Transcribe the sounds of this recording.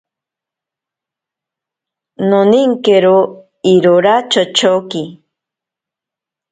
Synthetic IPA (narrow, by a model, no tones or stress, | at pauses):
noniŋkeɾo | iɾoɾat͡ʃot͡ʃoki